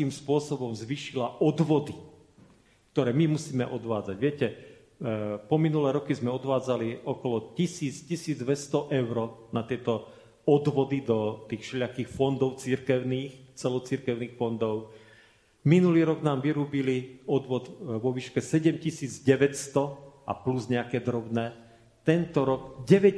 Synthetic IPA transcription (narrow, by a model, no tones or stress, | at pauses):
iːmspʊɔsɔbɔmzʋiːʃilaʔɔd̪ʋɔd̪i | kt̪ɔɾɛːmimusiːmɛ̰ʔɔd̪ʋaːd͡zaɟʋɪɛcɛ | pɔminulɛːɾɔkizmɛɔd̪ʋaːd͡zaliɔkɔlɔcisiːt͡scisiːd͡zd̪ʋɛst̪ɔʔɛʊɾɔnat̪ɪɛt̪ɔ | ɔd̪ʋɔd̪id̪ɔt̪iːxʃɛʎakiːxfɔnd̪ɔʊt͡siɾkɛʊniːxt͡sɛlɔt͡siɾkɛʊniːxfɔnd̪ɔʊ | minuliːɾɔɡnaːmʋiɾuːbiliɔd̪ʋɔd̪ʋɔʋiːʃkɛsɛɟɛmcisiːd͡zɟɛʋɛcst̪ɔa̰pluzɲɛakɛːd̪ɾɔbnɛː | t̪ɛnt̪ɔɾɔɡɟɛʋɛ